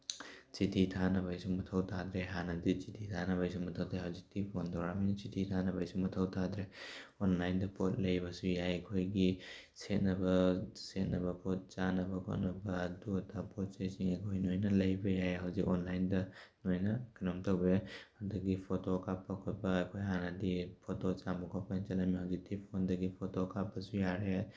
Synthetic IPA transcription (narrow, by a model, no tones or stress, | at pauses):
t͡ʃititʰanɐbajsumɐtʰɐwtʰad̪ɾeɦanɐdit͡ʃitʰitʰanɐβajsumɐtʰɐwtʰajɦɐwzik̚tipʰontʰoɾaminɐt͡ʃitʰitʰanɐbajsumɐtʰɐwtʰad̪ɾeonlajndɐpʰot̚lɐjβɐsujajɐkʰojɡiset̚nɐbɐset̚nɐbɐpʰot̚t͡ʃanɐbɐkʰo̰tnɐbɐduɐtʰapʰot̚sesiŋɐkʰojnojnɐlɐjbɐjajɦɐwzikɔnlajndɐnojnɐkʰinɐmtʰɐwbehadɐɡipʰotokʰapːɐkʰot̚bɐːkʰojɦanɐdipʰotot͡ʃambukʰapant͡ʃɐlɐmiɦaɡitʰipʰondɐɡipʰotokʰapːɐsujaɾe